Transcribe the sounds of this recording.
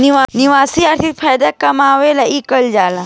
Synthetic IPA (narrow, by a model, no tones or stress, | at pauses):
niʋaniʋaːsiɐɾt̪ʰit̪̚pʰaːjd̪akɐmaːʋelaʔikəld͡ʒaːla